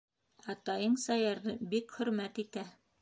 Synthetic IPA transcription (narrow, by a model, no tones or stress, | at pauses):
ɑt̪ɑjɤɴsɑjɑɾðɤbikχɵ̆ɾmæt̪it̪æ